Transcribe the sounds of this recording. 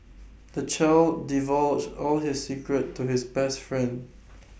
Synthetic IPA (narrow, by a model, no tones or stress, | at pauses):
d̪ət͡ʃaɪldivɔlɔlɦisːikɹətʰːuhɪsbɛstfɹɛ̃nd